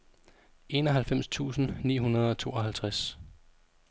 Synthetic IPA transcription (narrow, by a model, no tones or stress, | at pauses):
e̝ːnɒ̽ɦælfem̰st͡sʰṵːsn̩niːɦunɐð̞̩ˠɒ̽t͡sʰo̝̰ːɒ̽ɦælt͡sʰʁas